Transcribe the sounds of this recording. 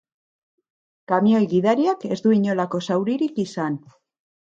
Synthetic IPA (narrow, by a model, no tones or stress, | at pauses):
kamio̞jɣiðaɾiake̞zd̪uiɲo̞lako̞sawɾiɾikisan